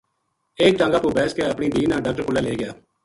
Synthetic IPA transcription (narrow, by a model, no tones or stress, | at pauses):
eːk̚ʈãːŋɡaːpuːbɛːskeəpɳiːd̪iːnãːɖaːkʈəɾkʊlːaːleːɡɪjaː